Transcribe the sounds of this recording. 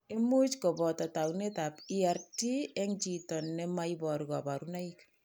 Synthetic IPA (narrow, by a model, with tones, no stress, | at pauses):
i˦mu˦t͡ʃkɔ˨bɔ˨tɔ˨ta˨wne˦ta˨pia˨rti˦e˦ŋt͡ʃi˨tɔ˨nːɛ˦ma˦ibɔ˨ɾikɔ˨pa˨ɾuna˦ik